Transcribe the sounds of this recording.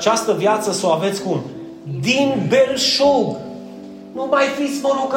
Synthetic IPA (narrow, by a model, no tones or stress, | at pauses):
t͡ʃast̪əvjat̪səsawavet̪sʲkun | d̪inbelʃoɡ | məmajfisbonok